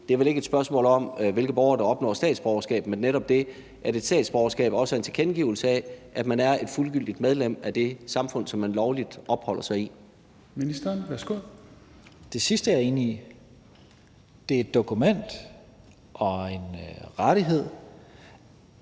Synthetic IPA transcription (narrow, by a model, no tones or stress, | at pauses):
d̥eɐʋele̝ɡəe̝d̥sb̥ɶɐsmɔ̰ːlɒ̽mʋe̝lɡ̥ð̩ˠbɒʊɐd̥ɑ̈ɒ̽b̥nɒ̰ːsd̥ɛ̰ːd̥sb̥ɒʊɐsɡ̥ɛ̰ːb̥menːeɾɒ̽b̥̚d̥e̝ | ʔæɐe̝d̥sd̥ɛ̰ːd̥sb̥ɒʊɐsɡ̥ɛ̰ːb̥ɒ̽səe̝nt͡sʰe̝kʰenɡ̥ḭʊl̩səæʔæd̥mænæɐe̝d̥fulɡ̥yl̰d̥id̥meðˠlem̰æd̥e̝sɑ̈mfɔ̽n̰sɒ̽mːænlɒʊlid̥ɒ̽b̥hɒ̽l̰ɐsɑ̈ɪi | minisd̥ɐnʋæsɡ̥oðˠ | d̥e̝sisd̥əaɐe̝ːnii | d̥eɐe̝d̥ːo̝kʰumen̰d̥ | ʔɒ̽e̝nʁaɾ̥iɦe̝ð̰ˠ